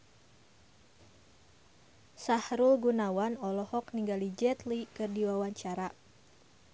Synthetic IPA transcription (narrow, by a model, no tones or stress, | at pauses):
sahɾulɡunawanɔlɔhɔkniŋɡalid͡ʒɛt̪likɨrdiwawaɲt͡ʃaɾa